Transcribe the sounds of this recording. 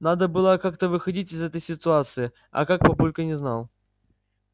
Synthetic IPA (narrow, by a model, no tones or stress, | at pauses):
nad̪əbɨlˠəkakt̪əvɨxɐdʲitʲɪzɛt̪əjsʲɪt̪ʊat̪sɨɪ | ɐ̰kak̚pɐbulʲkənʲɪzna̰lˠ